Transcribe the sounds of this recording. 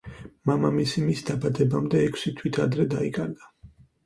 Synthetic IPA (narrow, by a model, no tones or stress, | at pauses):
mamamisimisd̪abad̪ɛbamd̪ɛːkʰsit̪ʰwit̪ʰad̪ɾɛd̪aikʼaɾɡa